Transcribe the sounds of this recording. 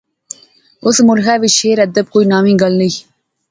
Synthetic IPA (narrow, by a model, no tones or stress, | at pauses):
ʊsmʊlɦɛːʋɪʃeːɾəd̪əb̚koːiːnaːmĩːɡɐlnəi